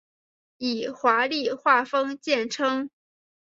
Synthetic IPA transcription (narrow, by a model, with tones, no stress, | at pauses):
i˨˩xwa˧˥li˥˧xwa˥˩fɤ˥ŋt͡ɕjɛ˥˩nʈ͡ʂʰɤ˥ŋ